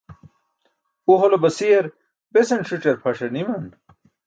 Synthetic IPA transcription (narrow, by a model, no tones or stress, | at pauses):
uɦolobɐsijɐɾ | besɐnʂuʈ͡ʂɐɾpʰɐʂɐnimɐn